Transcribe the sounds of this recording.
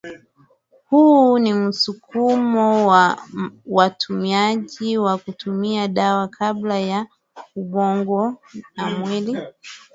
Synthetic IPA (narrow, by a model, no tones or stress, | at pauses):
hunim̩sukʰumɔwa | watʰumiaʄiwakutumiaɗawakʰablaja | uɓɔŋɡɔnamwili